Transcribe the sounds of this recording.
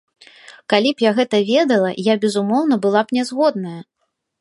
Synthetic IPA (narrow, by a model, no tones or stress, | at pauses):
kalʲipjaɣɛt̪ɐvʲɛd̪ɐlˠɐjabʲɛzumɔwnɐbɨlˠapnʲɛzɣɔd̪̚nɐjɐ